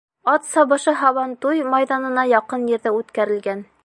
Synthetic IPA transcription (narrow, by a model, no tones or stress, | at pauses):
ɑt̪sɑβɤ̆ʃɤɦɑβɑnt̪ujmɑjðɑnɤ̆nɑjɑqɤnjɘ̆ɾðɘʉt̪kæɾɘ̆lɡæn